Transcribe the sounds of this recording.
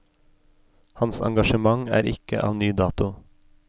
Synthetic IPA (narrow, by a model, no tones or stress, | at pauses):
hɑnsɑ̰ŋɡɑʃəmɑŋæ̰ːɾɪkə̰ʔɑ̰ːʋnyːd̪ɑːt̪ʊ